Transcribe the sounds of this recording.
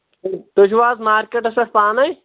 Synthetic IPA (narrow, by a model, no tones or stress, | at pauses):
d̪uʃʋaːzmaːɾkeʈɐsɐʈʰpaːnɐj